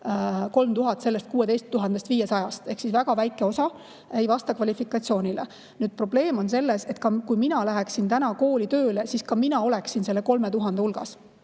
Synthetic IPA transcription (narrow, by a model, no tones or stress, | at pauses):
ko̞lmt̪uɦɑt̪ːˑse̞lːe̞st̪̚kuːe̞d̪e̞jst̪ːuɦɑnd̪̥est̪viːje̞sɑjɑst̪e̞hksisvæɡ̥ɑvæjkːˑe̞o̞sɑ | ejvɑst̪ɑkvɑlʲifikːˑɑt̪sio̞ːnʲile | nyːd̪̥̚pro̞b̥le̞ːmo̞nse̞lːese̞t̪kɑkujminɑlæɦeksint̪ænɑko̞ːlit̪ø̞ːle̞siskɑminɑo̞le̞ksinse̞lːe̞ko̞lme̞t̪uɦɑnd̪eulɡ̥ɑ̰s